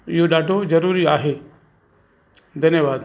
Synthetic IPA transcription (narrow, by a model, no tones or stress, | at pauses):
ɪɦoɗaːɖʱozɐɾuːɾiaːɦe | d̪ʱɐnjəʋaːd̪